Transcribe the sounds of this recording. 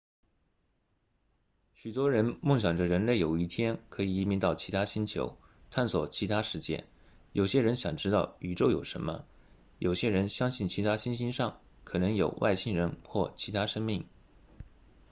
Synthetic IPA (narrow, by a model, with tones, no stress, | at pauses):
ɕy˨˩t̪wɔ˥ɻə˧˥nmɤ˥˩ŋɕjɑ˨˩ŋʈ͡ʂə˦ɻə˧˥nle˥˩ɪjo˨˩ʊi˥˩t̪ʰjɛ˥nkʰɤ˧˥i˨˩i˧˥mi˧˥nt̪ɑ˥˩ʊt͡ɕʰi˧˥t̪ʰa˥ɕi˥nt͡ɕʰjo̰˧˥ʊ | t̪ʰa˥˩nswɔ˨˩t͡ɕʰi˧˥t̪ʰa˥ʂɻ̩˥˧t͡ɕjɛ̰˥˩n | jo˨˩ʊɕjɛ˥ɻə˧˥nɕjɑ˨˩ŋʈ͡ʂɻ̩˥t̪ɑ˥˩ʊy˧˥ʈ͡ʂo˥˩ʊjo̰˨˩ʊʂə̰˧˥nmə̰˧ | jo˨˩ʊɕjɛ˥ɻə˧˥nɕjɑ˥ŋɕi˥˩nt͡ɕʰi˧˥t̪ʰa˥ɕi˥nɕi˥nʂɑ˥˩ŋ | kʰɤ˨˩nɤ˧˥ŋjo˨˩ʊwa̰˥˧ɪɕi˥˩ŋɻə˧˥nxwɔ˥˩t͡ɕʰi˧˥t̪ʰa˥ʂɤ˥ŋmi˥˩ŋ